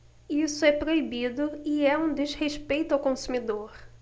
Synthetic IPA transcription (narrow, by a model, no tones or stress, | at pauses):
isʊɛpɾoibid̪ʊiɛũd̪ezheʃpejt̪ʊawkõsumid̪oɾ